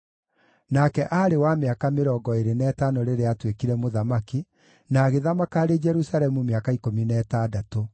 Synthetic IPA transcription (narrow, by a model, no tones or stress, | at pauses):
nakɛʔaːɾewameakameɾɔːɡɔeɾenɛtanoɾeɾeatwekiɾɛmoðamaki | naːɣeðamakaːɾed͡ʒɛɾusaɾɛmumeakaikominɛːtadato